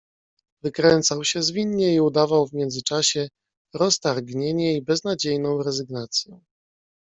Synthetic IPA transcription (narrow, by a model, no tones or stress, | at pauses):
vɘkɾɛnt̪sawɕɛzvʲiɲːɛiud̪avawvmʲjɛnzɘt͡ʂaɕɛ | ɾɔst̪aɾɡɲeɲɛibɛznad͡ʑejnɔ̃w̃ɾɛzɘɡnat̪sʲjɛ